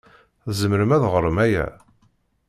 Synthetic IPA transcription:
θzəməɾəmæðʁəɾˤəmæjæ̰

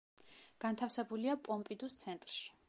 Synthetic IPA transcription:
ɡ̥ant̪ʰafsɛbuliapʼɔmpʼid̪ust̪sʰɛnt̪ʼɾʃi̥

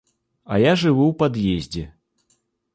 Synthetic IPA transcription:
ɐ̰jaʐɨvuwpad̪jezʲd͡zʲɛ

